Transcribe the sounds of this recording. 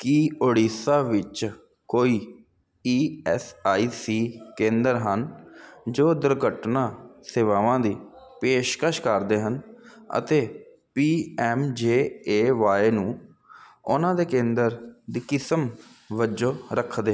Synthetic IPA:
kiːoːɽiːsaːʋɪt͡ʃ | koːiː | iːɛːsaːiːsiːkẽːnd̪əɾɦənd͡ʒoːd̪əɾɡəʈnãːseːʋaːʋãːd̪iː | peːʃkəʃkəɾd̪eːɦənə̰t̪eː | piːɛːmd͡ʒeːeːʋaːeːnũː | ʊnãːd̪eːkẽːnd̪əɾd̪iːkɪsəmʋəd͡ʒõːɾəkʰd̪eː

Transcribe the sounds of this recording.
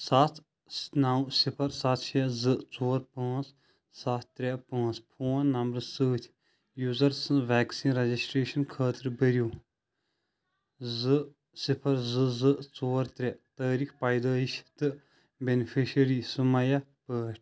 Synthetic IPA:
sat̪ʰ | snawsipʰɐɾsat̪ʰt͡ʃezɨt͡soːɾpãːt͡s | sat̪t̪ːɾʲɛpãːnt͡spʰoːnːɐmbɾsɨːt̪ʰʲ | juːzɐɾsɨ̃ʋɛːksiːnɾɐd͡ʒisʈɾeːʃɐnkʰəːt̪ɾbəɾjuː | zɨ | sipʰɐɾzɨzɨt͡soːɾt̪ɾʲɛt̪əːɾiːxpɐːjd̪əːiʃt̪ɨ | bʲenipʰiʃɐɾiːsɨmɐjapəːʃʈʰ

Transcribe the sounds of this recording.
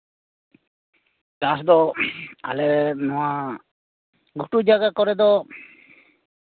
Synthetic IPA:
kasd̪ɔa̰lemɔa | ɡʱuʈud͡ʒaɡakɔɾed̪ɔ

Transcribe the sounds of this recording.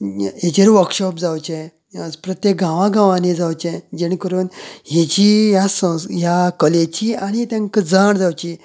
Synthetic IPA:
ɦed͡ʑeɾʋəɾkɕɔpd͡zawt͡ɕe | pɾət̪jek̚ɡãʋãɡãʋãned͡zawt͡ɕẽd͡ʑenkəɾuːnɦed͡ʑijasə̃sjakəlet͡ɕiaɽ̃it̪jãŋkəd͡zaɳd͡zawt͡ɕi

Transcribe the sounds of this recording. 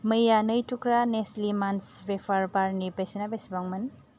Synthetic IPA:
məjanəjtʰukɾaneslimansbepʰaɾbaɾnipesinabesbaŋmɐn

